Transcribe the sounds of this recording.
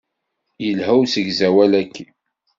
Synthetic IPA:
jəlɦæwsəʝzæwælækʰːi

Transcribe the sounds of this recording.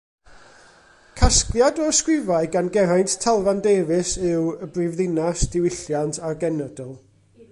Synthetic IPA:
kʰasklˠjadɔskrɪvaɨɡanɡɛɾajnttʰɛlˠvandeːvɪsɨwəbrɪvðɪnasd̥ɪwɪɬjantʰarɡɛnɛdɔlˠ

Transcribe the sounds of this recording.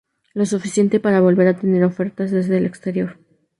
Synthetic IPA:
lo̞sufisje̞nt̪e̞paɾaβo̞lβe̞ɾat̪e̞ne̞ɾo̞fe̞ɾt̪azðe̞zðe̞ːle̞kst̪e̞ɾjo̞ɾ

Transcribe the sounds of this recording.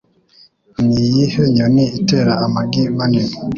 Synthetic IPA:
mijihɛɲɔniitɛɾaamaɡimanin

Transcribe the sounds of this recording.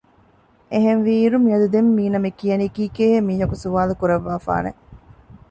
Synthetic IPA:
eɦenʋiːɾumiɐd̪ud̪emːiːnɐmekiɐnikiːkeːɦemiːɦɐkusuʋaːlukuɾɐʋːaːfa̰ːnḛ

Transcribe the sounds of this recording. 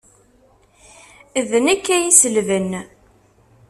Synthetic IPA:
ðnækːæjisəlvən

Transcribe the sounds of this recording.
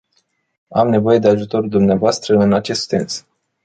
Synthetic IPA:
amne̞vo̞je̞d̪e̞aʒut̪o̞ɾd̪umneavoast̪ɾəɨnat͡ʃe̞st̪sens

